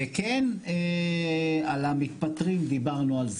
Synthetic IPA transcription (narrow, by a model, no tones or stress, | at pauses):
ekene | alamit̪̚pat̪ʁimd̪ibaʁnualz